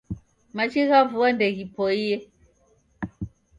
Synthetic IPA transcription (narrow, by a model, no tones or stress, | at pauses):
mat͡ʃiɣavuwandɛɣipɔijɛ